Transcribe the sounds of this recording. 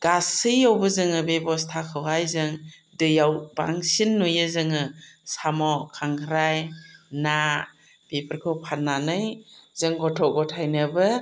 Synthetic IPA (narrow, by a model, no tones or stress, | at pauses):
ɡ̥asɯjɔwbɯzɯŋɯbebɔstʰakʰɯwhajzɯŋ | dɯjawba̰ŋsinːujɯzɯŋɯsamɔkʰaŋkʰɾajna | b̥epʰəɾkʰɯwpʰanːanɯjz̥ɯŋɡɔtʰɔɡɔtʰajnɯbɯ